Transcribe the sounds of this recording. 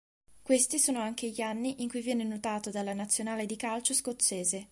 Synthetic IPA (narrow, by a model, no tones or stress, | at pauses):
kwest̪isoːnoaŋk̟eʎianːiʔiŋkujvjɛːnenot̪aːt̪od̪alːanat̪sːjonaːled̪ikalt͡ʃoskot̪sːeːze